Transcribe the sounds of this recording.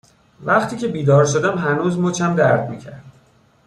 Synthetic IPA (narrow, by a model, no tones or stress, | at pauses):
væχt̪ʰiːcʰe̞biːd̪ɒːɾʃo̞d̪æmɦænuːzmot͡ʃʰæmd̪æɾd̪mḭːcʰæɾd̪̥